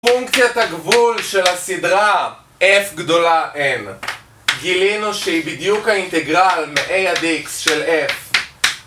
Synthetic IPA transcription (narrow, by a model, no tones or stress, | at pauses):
fuŋkt͡sjat̪haɡvulʃelhasid̪ʁa | ʔefɡd̪o̞laʔel | ɡilinuʃeibid̪jukhaint̪eɡʁalmeʔejad̪iksʃelef